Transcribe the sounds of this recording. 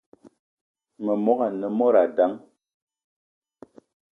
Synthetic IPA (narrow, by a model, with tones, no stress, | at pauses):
mə˨mɔ˦ka˨nə˨mɔ˦ɾa˨da˦ŋ